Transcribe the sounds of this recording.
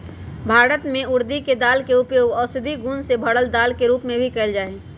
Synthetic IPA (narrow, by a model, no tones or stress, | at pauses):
bʱaːɾət̪mẽʊɾd̪iked̪aːlkeʊpjoːɡɔːsɪd̪ʱiɡuːnsebʱəɽəld̪aːlkeɾuːpmẽbʱikɛld͡ʒaːe